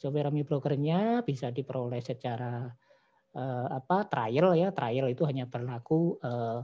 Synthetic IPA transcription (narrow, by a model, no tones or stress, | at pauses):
sobeɾamibɾoɡraɲab̥isadipəɾolɛhsət͡ʃaɾa | əːapat̪ɾajəljat̪ɾʔajəlit̪uɦaɲabərlakuəː